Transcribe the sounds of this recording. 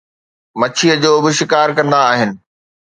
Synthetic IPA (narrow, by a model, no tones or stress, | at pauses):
mɐt͡ɕʰiəd͡ʑoːbɪʃɪkaːɾkɐ̃nd̪aːɦɪnɪ̆